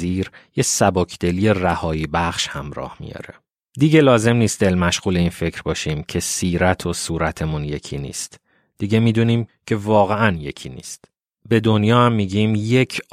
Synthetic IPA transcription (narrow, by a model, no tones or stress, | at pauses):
iːɾjesæbocʰd̪̥eliːje̞ræhɒːiːbæχʃhæmɾɒ̰ːhmḭjɒ̰ːɾe | d̪iɟe̞lɒːze̞mniːst̪d̪e̞lmæʃɣuːle̞iːnfe̞cʰɾbɒːʃiːmcʰe̞siːɾæt̪ʰo̞suːɾæt̪ʰe̞munje̞cʰiːnḭːst̪ | d̪̥iɟe̞miːd̪uːniːmcʰe̞vɒːɣe̞ænje̞cʰiːnḭːst̪ | be̞d̪onjɒːhæmːiːɟiːmje̞cʰ